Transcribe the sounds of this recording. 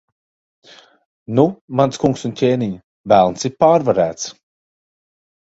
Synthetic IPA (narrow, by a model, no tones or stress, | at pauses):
numanskuŋksuncʲeːniɲə | vælˠnsipaːɾvaɾæːt̪s